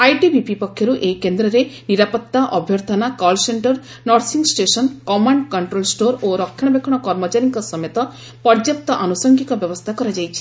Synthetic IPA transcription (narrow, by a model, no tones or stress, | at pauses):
ajʈibipipɔkʰːjɔɾuʔejkend̪ɾɔɾeniɾapɔt̪ːaʔɔbʱjɔɾt̪ʰɔnakɔlseɳʈɔɾ | nɔɾsiŋsʈesɔnkɔmɔɳɖkɔɳʈɾolsʈoɾoɾɔkʰːɔɽ̃ɔbekʰɔɽ̃ɔkɔɾmɔt͡ʃaɾiŋkɔsɔmjɔt̪ɔ | pɔɾd͡ʒɔp̚t̪ɔʔanusɔŋɡikɔbjɔbɔst̪ʰakɔɾad͡ʒajt͡ʃʰi̥